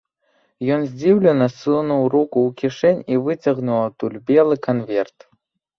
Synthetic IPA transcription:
jɔnzʲd͡zʲiwlʲɛnɐsɨnuwɾukuwkʲiʂɛnʲivɨt͡sʲɐɣnuwˠɐt̪ulʲbʲɛlˠɨkɐnvʲɛrt̪

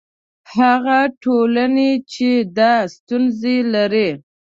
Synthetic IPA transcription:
haɣaʈolanet͡ʃed̪ɑst̪unzelaɾi

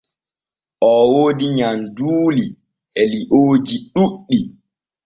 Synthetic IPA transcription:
ʔɔwoːdiɲanduːli | ʔɛliʔoːd͡ʒiɗuɗːi

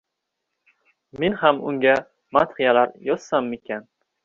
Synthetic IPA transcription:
menhamʊ̰ŋɡʲa | mat̪χijalaɾjɒt̪samekʲʰan

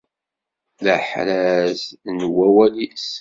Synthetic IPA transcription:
ləħɾæznwæwælis

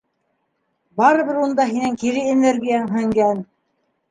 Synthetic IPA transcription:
bɑɾɤ̆βɘɾund̪ɑɦinæŋkiɾɘeneɾɡijæŋɦæŋɡæn

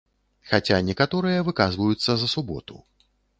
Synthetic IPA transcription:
xat͡sʲanʲɛkat̪ɔɾɨjɐvɨkazvɐjut̪sːɐzɐsubɔ̰t̪ṵ

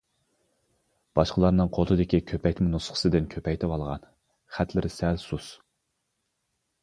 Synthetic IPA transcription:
b̥ɑʃqəlˠɑɾnɨŋqʰolˠɨd̪ɪkʲikʲʰøpʰɛjʲt̪munusχə̥sɨd̪ɨnkʲʰøpʰɛjt̪ʰɪwɑlˠʁɑ̰n | χæt̪ʰlɪɾɪsɛlsus

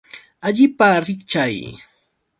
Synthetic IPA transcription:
aʎɪpaɾɪkt͡ʃaj

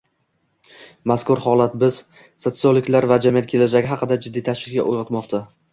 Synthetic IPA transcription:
maskʊɾhɒlˠat̪bɪz | so̞t̪sɨolˠɪkʲlaɾvad͡ʒamijat̪̚kʲʰe̞lad͡ʒaɡʲɪɦɑqɨd̪ad͡ʒɪd̪ːit̪ʰaʃvɪkkʲa̰ʔojʁɑt̪mɒqt̪ʰa

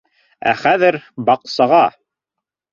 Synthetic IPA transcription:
æ̰χæðɘɾbɑqsɑʁɑ

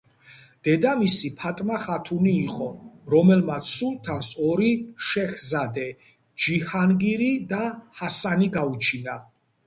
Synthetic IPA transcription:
d̪̥ɛd̪amisipʰat̪ʼmaχat̪ʰuniːqʼɔɾɔmɛlmat̪sʰsult̪ʰasɔɾiʃɛχzad̪ɛ | d͡ʒihanɡiɾid̪ahasaniɡaut͡ʃʰina

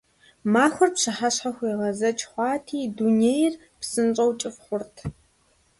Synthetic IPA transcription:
maːxʷʊrpɕɨħaɕħaxʷeːʁɐzɐt͡ʃʰʼχʷɑːtʰiːdunejr | psɨnt͡ʃʼɐwt͡ʃʼɪfχʷʊrtʰ

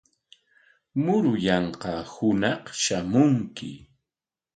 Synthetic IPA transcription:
mʊɾʊjɑɴqɑhʊnɑqʃamʊŋkɪ̰

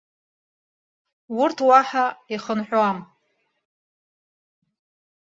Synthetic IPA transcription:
wʊrtʰwaħaiχənħʷᶣoam

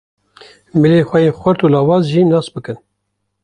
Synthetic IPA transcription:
mileːxʷɛjexʷʊɾt̪uːlɑːwɑːzʒiːnɑːsbɨkɨn

